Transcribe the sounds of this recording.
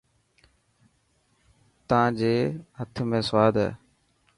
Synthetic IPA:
t̪əãːd͡ʒeːɦət̪ʰmẽːsʋaːd̪ʱɛ̰ː

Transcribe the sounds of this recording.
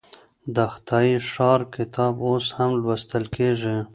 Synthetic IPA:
d̪əxt̪ʰɑiʂɑɾkɪt̪ʰɑboshamlwast̪əlkeʐi

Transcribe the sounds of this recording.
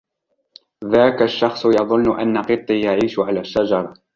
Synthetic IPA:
ðaːkaʃːɑxsˤjɑðˤʊnːʊʔa̰nːaqɨt̪ˤːiːjaʕiːʃʊʕalaːʃːad͡ʒɑɾˤɑ

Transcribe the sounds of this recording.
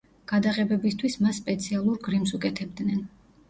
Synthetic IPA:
ɡ̥ad̪aʁɛbɛbist̪ʰwismasːpʼɛt̪sʰialˠuɾɡɾimsukʼɛt̪ʰɛb̚d̪nɛn

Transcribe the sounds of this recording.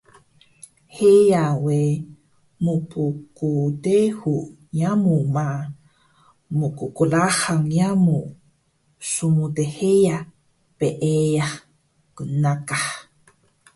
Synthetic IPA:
hejawe | mupʰukudehu | jamuma | mukukulahaŋjamu | sumudeheja | peʔejah | kənakah

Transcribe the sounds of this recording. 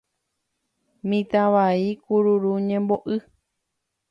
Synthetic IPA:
mĩt̪aʋaikuɾuɾuɲẽmboʔɨ

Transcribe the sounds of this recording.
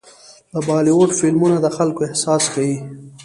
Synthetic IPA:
d̪əbɑliwoʈfɪlmunad̪əxalkoɪhsɑskawi

